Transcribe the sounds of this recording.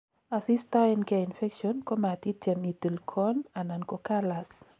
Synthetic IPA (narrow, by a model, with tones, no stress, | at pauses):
a˨si˦stai˦nka˨infɛ˦kʃɔnkɔ˦ma˨ti˦tjɛ˨mi˨t̪u˨lkʰɔna˨nankɔ˨kalas